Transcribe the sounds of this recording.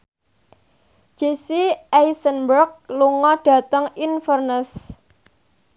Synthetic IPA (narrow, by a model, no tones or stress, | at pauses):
d͡ʒ̥esiʔajsənbərk̚luŋɔɖ̥ä̤t̪əŋinfərnəs